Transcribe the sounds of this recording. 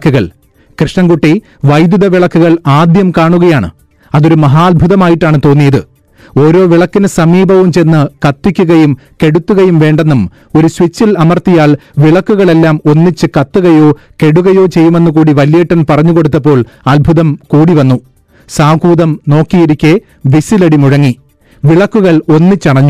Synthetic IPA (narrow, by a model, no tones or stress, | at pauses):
kːuɣɐɭ | krɨʂɳɐŋɡuʈːi | ʋɐjd̪juðɐʋiɭɐkːuɣɐɭaːd̪jɐmkaːɳuɣɐjaːɳɨ̰ | ɐðo̞ɾumɐɦaːlbʱuðɐmaːjiʈːaːɳɨt̪o̞ːnːijɐðɨ | o̞ːɾo̞ːʋiɭɐkːinɨsɐmiːbʱɐʋumt͡ɕenːɨkɐt̪ːikʲːuɣɐjum | ke̞ɽut̪ːuɣɐjumʋe̞ːɳɖe̞nːum | o̞ɾuswit͡ɕːilɐmɐrt̪ijaːɭ | ʋiɭɐkːuɣɐɭe̞lːaːmo̞nːit͡ɕːɨkɐt̪ːuɣɐjo̞ː | ke̞ɽuɣɐjo̞ːt͡ɕe̞jːume̞nːukuːɽiʋɐljeːʈːɐnpɐrɐɲːuko̞ɽut̪ːɐp̬ːo̞ːɭɐlbʱuðɐmkuːɽiʋɐnːu | saːɡuːðɐmno̞ːkːijiɾikʲːe | ʋisilɐɽimuɻɐŋːi | ʋiɭɐkːuɣɐɭo̞nːit͡ɕːɐɽɐɲːu